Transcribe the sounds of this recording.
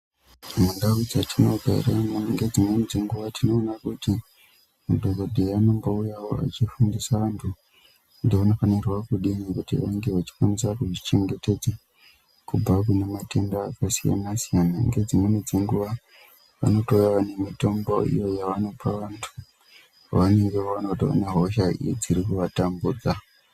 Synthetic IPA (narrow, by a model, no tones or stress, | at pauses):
mundawud͡zatʰino̞ɡʱa̰ḭramŋɡe̞d͡zimwenid͡ze̞ŋɡuʋatʰino̞ːnakuti | mudʱoɡʱodʱeano̞mboujawo̞a̰t͡ʃifundisaʋantʰu | ndeuno̞fanirwakuɗinikutḭʋa̰ŋɡe̞ʋat͡ʃi̥kwanisakuʐit͡ʃe̞ŋɡe̞te̞d͡za | kub͡vak̬unemate̞ndaːkasija̰nasijanaŋɡe̞d͡zimwened͡zeŋɡuʋa | ʋa̰no̞toujaʋane̞mito̞mbo̞ḭjo̞jaʋano̞paʋantʰu | ʋane̞ŋɡe̞ʋaanautia̰neɦo̞ʃaḭd͡ziɾikuʋatambuːd͡za